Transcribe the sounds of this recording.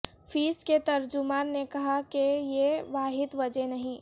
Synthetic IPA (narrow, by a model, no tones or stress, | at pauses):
fʰiːsket̪ɐɾd͡ʒʊmaːnːekɐɦakejeʋaːɦɪd̪ʋɐd͡ʒenɐɦĩː